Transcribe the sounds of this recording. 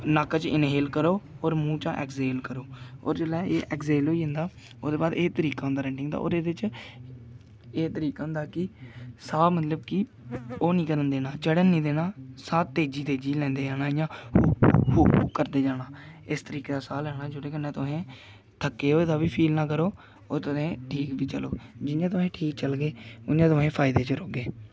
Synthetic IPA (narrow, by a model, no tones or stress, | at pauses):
naːkt͡ʃɪnɦeːlkəɾoːoːɾmũːt͡ʃã̰ːʔɛ̰ːkzeːlkəɾoːo̰ːɾd͡ʒeːlɛːeːʔɛkzeːloːiːɦə̃nd̪aː | oːd̪eːbaːd̪eːt̪əɾiːkaːʊ̃nd̪aːɾɛ̃ːɳʈɪŋɡd̪a̰ːʔo̰ːɾeːdɪt͡ʃ | eːt̪əɾiːkaːʊnd̪aːkɪsaːmət̪ləbkɪ | oːnĩːkəɾənd̪eːnaːt͡ʃəɽənːĩːd̪eːnaːsãːt̪eːd͡ʒiːt̪eːd͡ʒiːlɛ̃ːnd̪eːd͡ʒaːnaːjãː | hṵːkːəɾd̪eːd͡ʒaːɽaːɪst̪əɾiːkeːd̪aːsaːlɛːɽaːd͡ʒʊɽeːkənːẽːt̪ʊɦẽː | t̪ʰəkːeːɦoːeːd̪aːʋiːpʰiːlnãːkəɾoː | oːt̪ʊsẽːʈʰiːkbiːt͡ʃəlo̰ːd͡ʒɪnjãːt̪ʊsẽːʈʰiːk̚t͡ʃəlɡeːʊnãːt̪̬ʊɦẽːpʰaːɪd̪eːt͡ʃɾoːɡeː